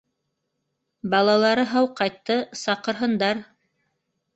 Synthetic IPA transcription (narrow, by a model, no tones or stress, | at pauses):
bɑlˠɑlˠɑɾɤɦɑwqɑjt̪ːɤsɑqɤ̆ɾɦɤ̆nd̪ɑɾ